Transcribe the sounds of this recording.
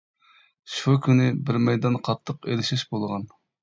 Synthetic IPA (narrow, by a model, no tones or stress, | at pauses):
ʃukʲʰynɪbɪɾmɛjd̪ɑnqʰɑt̪ʰːəqḛlɪʃiʃbolˠʁɑn